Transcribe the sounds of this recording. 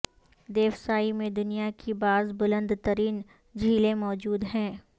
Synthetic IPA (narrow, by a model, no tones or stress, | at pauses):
d̪eːʋsaːimẽd̪ʊnijakʰibaːzbʊlə̃nd̪t̪əɾiːn | d͡ʒʱiːlẽmɔːd͡ʒuːd̪ɦɛ̃ː